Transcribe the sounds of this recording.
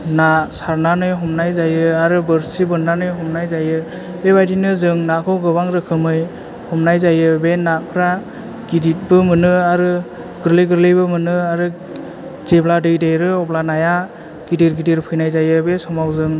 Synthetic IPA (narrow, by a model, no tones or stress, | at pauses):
nasaɾnanɯjɦɔmnajzajɯaɾɯbɯɾsibɯndanɯjɦɔmnajzajɯ | bebajdinɯzɯŋnakʰɯwɡɯβaŋɾɯkʰɯmɯj | hɔmnajzajɯbenakʰɾa | ɡ̥idit̚bɯmɯnɯaɾɯ | ɡɯɾlɯjɡɯɾlɯjbɯmɯnɯaɾɯ | z̥ebladɯjdejɾɯɔblanaja | ɡ̥idiɾɡidiɾpʰɯjnajzajɯbesɔmawzɯŋ